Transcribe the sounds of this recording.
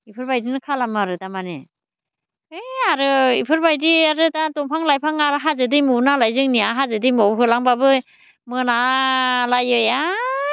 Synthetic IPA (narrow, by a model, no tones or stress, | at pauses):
ipʰɯɾbajdinɯkʰalamaɾɯdamane | ɯjaɾɯipʰɯɾbajdiaɾɯdatɔŋpʰaŋlajpʰaŋaɾɯɦazɯdɯjmɯnalajzɯŋniaɦazɯdɯjmɔwɦɯlaŋbabɯ | mɯnalajɯja